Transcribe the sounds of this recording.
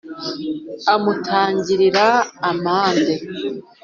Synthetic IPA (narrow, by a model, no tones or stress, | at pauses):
amutʰaːɲɟiɾiɾaːmaːnze